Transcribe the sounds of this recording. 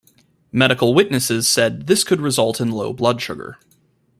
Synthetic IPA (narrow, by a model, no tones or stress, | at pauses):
mɛɾɨkl̩ˠwɪtⁿnɨsɪz̥sɛd̪̚ðɪskʰɨd̚ɹɨzʌlˠtʰɨ̃nloʊblʌdʃʊɡə̰˞